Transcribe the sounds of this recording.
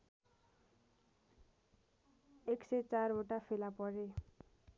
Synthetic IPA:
eksʌjt͡saroʈapʰelapʌɾe

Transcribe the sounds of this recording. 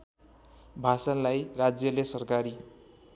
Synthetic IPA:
bʱasʌnlajrad͡zjʌlesʌrkaɾi

